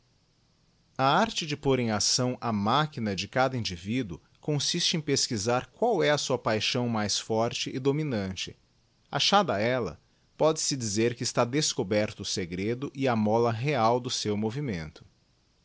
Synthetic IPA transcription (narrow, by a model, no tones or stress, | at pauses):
ɐaɾt͡ʃɪd͡ʒɪpoɾẽj̃asɐ̃w̃ʔɐmakinɐd͡ʒɪkad̪ɐĩd͡ʒivid̪ʊ | kõsist͡ʃɪẽj̃peskizaɾkwawɛɐsuɐpajʃɐ̃w̃majsfɔɾt͡ʃɪʔːd̪ominɐ̃t͡ʃɪ̥ | a̰ʃad̪ɐɛlɐ̰ | pɔd͡ʒɪsɪd͡ʒizeɾkɪːst̪ad̪eskobɛɾt̪ʊːseɡɾed̪ʊʔɪɐmɔlɐɦeawd̪ʊsewmovimẽnt̪ʊ̥